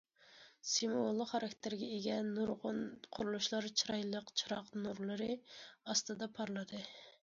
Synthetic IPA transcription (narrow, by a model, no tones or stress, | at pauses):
simolˠːəqχɑɾɑkʲt̪ʰɪɾɡʲɛeɡʲɛnːuɾʁʊnqʰʊɾulˠuʃlˠɑɾt͡ʃʰiɾɑjlˠəqt͡ʃʰiɾɑqnuɾlˠɨɾɨɑst̪ɨd̪ɑpʰɑɾlˠɨd̪ɨ